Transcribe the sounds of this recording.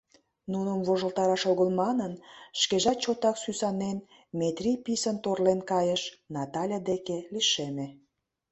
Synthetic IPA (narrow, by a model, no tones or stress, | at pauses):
nunəmvoʒəlˠt̪ɑɾɑʃoɣəlmɑnənʃkeʒɑt͡ɕot̪ɑksysɑnen | met̪rʲijpisənt̪orlenkɑjəʃnɑt̪ɑlʲad̪ekeliʃeme